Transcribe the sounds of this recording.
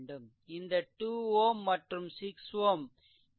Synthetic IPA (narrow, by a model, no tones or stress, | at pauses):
ɳɖɐm | ɪnd̪ɐʈuːoːmːɐʈrɐmsɪksʋoːm